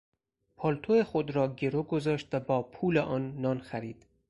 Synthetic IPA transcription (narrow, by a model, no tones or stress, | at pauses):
pʰɒːlt̪ʰojexod̪ɾɒːɟeɾoːɡozɒːʃt̪væbɒːpʰuːleʔɒːnːɒːnxæɾiːd̪̥